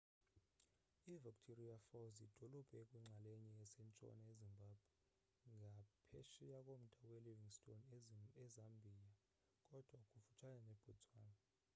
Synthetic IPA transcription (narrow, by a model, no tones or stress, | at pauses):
ivikʼtʰɔriafɔwzid̥ʱɔlɔb̥ʱɛkʼwiŋ͡ǀʱaleɲiɛsɛnt͡ʃʼɔ̰naezimbʱab̥ʱwɛ | ŋʱapʰeʃijakʼom̩d̥ʱawɛliviŋstʼonɛzambʱija | kʼɔd̥ʱwakʼufu̥t͡ʃʰananɛb̥ʱɔt͡sʼwaːna